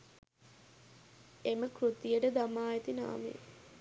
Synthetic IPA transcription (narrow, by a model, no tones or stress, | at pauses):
eməkɾut̪ijəʈəd̪amaːjet̪ina̰ːmḛ